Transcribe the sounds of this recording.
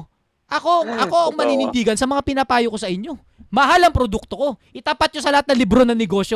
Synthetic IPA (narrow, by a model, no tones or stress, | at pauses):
ʔɐko̞ʔɐko̞ɐŋmɐninɪnd̪iːɡɐnsɐmɐŋapɪnɐpaːjokosɐʔɪɲːo̞ | mɐɦalɐŋpɾod̪uk̚t̪o̞ko̞ʔɪt̪apat̪̚ɲosɐlɐhat̪nɐlɪbɾo̞nɐŋnɛɡo̞ːʃjo